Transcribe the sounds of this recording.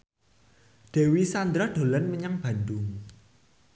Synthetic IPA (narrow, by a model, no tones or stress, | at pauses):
ɖ̪̥e̤wisand̪ɾad̪̥o̤lanməɲaŋb̥a̤nd̪ʊŋ